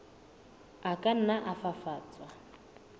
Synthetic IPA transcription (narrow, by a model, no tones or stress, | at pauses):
akʼan̩naʔafafaːt͡sʼwa